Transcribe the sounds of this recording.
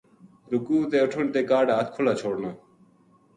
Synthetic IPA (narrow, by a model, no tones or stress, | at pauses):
ɾʊkuːt̪eːʊʈʰəɳt̪eːkaːɖaːət̪̚kʰʊlaːt͡ɕʰoːɽnaː